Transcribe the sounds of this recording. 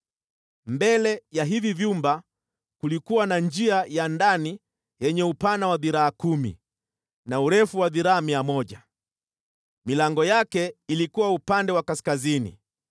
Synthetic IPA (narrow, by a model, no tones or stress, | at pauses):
mbɛlɛjaɦivivjumba | kulikuwanand͡ʒiajandani | jɛɲɛupanawaðiɾaːkumḭ | nauɾɛfuwaðiɾaːmiamɔʄa | milaŋɡɔjakɛilikuwaupandɛwakaskazinḭ